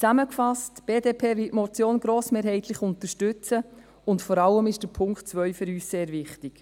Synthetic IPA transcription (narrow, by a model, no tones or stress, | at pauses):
t͡sæməkfɑstb̥eːdeːpʰeːʋɪltmɔt͡sjoːnɡɾoːsmeːɾhɛɪtʰlɪχʊntəʃtʏt͡sə | ʊntfɔɾɑlːəmɪʃd̥əpʰʊŋktt͡sʋœʏfəɾyːsseːɾvɪχtɪk